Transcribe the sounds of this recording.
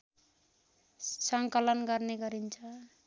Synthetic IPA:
sʌŋkʌlʌnɡʌɾneɡʌɾint͡sʰʌ

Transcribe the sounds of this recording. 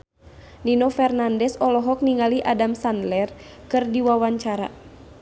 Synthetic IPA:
ninɔfɛrnandɛsɔlɔɦɔk̚niŋaliʔadamsandlɛr | kɨrdiwawaɲt͡ʃaɾa̰

